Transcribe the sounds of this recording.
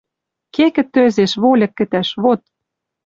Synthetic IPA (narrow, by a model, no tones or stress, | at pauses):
kekɘ̆t̪ːøzeʃβolʲɤ̆kːɘ̆t̪æʃβot̪̚